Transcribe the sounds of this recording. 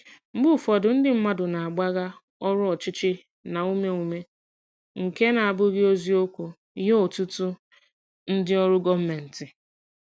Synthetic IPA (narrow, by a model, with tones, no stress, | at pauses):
m̩˦ɡ͡bu˦˨fɔ˨dʊ˨n̩˦dɪ˦m̩˦ma˦dʊ˨na˨a˨ɡ͡ba˦ɣa˦ | ɔ˦ɾʊ˦ɔ˨t͡ʃɪ˦t͡ʃɪ˦ | na˨u˦me˦u˨me˦ | ŋ̩˨ke˦na˨a˨bʊ˦ɡɪ˦o˦zi˦o˦kʷu˨˦ | je˦o˨tu˦tu˦ | n̩˦dɪ˦ɔ˦ɾʊ˦ɡɔ˦m̩˦me˨n̩˨tɪ˨